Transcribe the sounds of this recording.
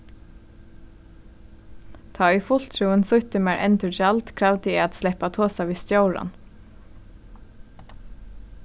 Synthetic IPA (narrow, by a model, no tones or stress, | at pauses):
t̪ʰɑːifʊl̥t̪ʰɾuːənsʊht̪əmæːɹʔɛnt̪ʉd͡ʒɑlt̪kʰɾaʋd̪əɛaːt̪slɛpat̪ʰoːsaʋiːst̪joʊɹa̰n